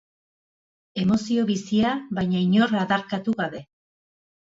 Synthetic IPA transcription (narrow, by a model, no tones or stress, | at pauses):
e̞mo̞sio̞βisiaβajɲaiɲo̞ɾaðaɾkat̪uɣaβe̞